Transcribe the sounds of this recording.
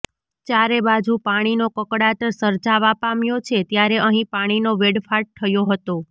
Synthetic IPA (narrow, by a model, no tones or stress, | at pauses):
t͡ʃjaɾebad͡ʒupaɽ̃inokəkɽat̪əɾsəɾd͡ʒaʋapamjot͡ʃʰet̪jaɾeəɦĩpaɽ̃inoʋeɽfaʈ̚t̪ʰəjoɦət̪o